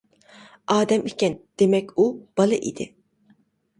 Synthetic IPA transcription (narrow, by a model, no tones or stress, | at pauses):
ɑːd̪ɛmikʲɛnd̪̥emɛkʲub̥ɑlˠɨʔḭd̪ɪ̰